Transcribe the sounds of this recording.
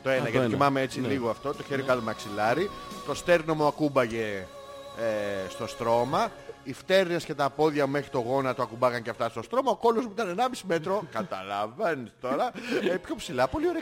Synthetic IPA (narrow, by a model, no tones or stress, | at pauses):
t̪o̞enɐjɐt̪ikiimɐmeet͡siliɣoɐft̪o̞t̪o̞çeɾikɐt̪omɐksilɐɾit̪o̞st̪e̞ɾnomuɐkubɐʝe̞ | est̪o̞st̪ɾo̞mɐift̪e̞ɾnesce̞t̪ɐpo̞ðʝɐmexɾit̪o̞ɣo̞nɐt̪oɐkubɐɣɐɲceɐft̪ɐst̪ost̪ɾo̞mɐoko̞lozmuit̪ɐnenɐmisime̞t̪ɾo̞kɐt̪ɐ̰lɐvɐnist̪o̞ɾɐepço̞psilɐpo̞lio̞ɾe